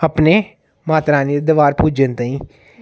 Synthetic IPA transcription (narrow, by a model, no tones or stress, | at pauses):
əpneː | maːt̪ɾãːnːd̪əʋaːɾpuːd͡ʒənt̪ãĩː